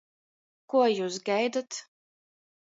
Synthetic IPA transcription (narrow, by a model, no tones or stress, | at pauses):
kuɔjuːs̬ɡajd̪at̪